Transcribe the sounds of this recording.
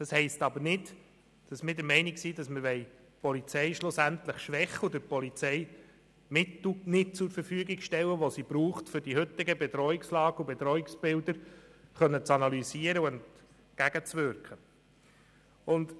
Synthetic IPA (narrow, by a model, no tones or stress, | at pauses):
d̥ɑshɛɪstɑbəɾnɪd | d̥ɑsmɪdəɾmɛɪniksid̥ɑsməɾʋɛɪ | pɔlit͡sɛɪʃlʊsænt̪ləχʃʋɛχːəʊd̪əpɔlit͡sɛɪ | mɪt̪l̩nɪtt͡sʊɾfəɾfyəɡɪɡʃtɛwːəʋosib̥ɾuːχtfʏɾd̥ihɵt̪ːɪɡəbɛt̪ɾɔɪkslɑːɡəubɛt̪ɾɔɪksb̥ɪldəɾχœnːət͡sɑnɑlysiəɾəuɛnt | ɡ̥æɡ̥ət͡sʋʏɾkχə | ʊnd